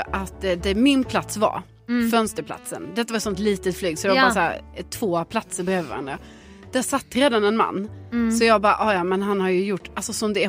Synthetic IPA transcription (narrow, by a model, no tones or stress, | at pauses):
ʔat̪d̪ɛmɪnpʰlat̪sva̰ɾ | fœnst̪əɾpʰla̰t̪sə̰nd̪ɛt̪ːavaɾt̪sɔnt̪liːt̪ət̪flyːɡsɔjaɡbɑːsæːɾt̪ʰv̥oːpʰlat̪səɾbɛhøːvəɾvaɾa̰nd̪ɾa̰ | d̪̥æsat̪ːɾeːd̪anɛnma̰nːsɔjɑːɡbɑɾʔɔjɑmɛnɦanhaɾjɵjʊʈːalsɔsɔmd̪ɛæ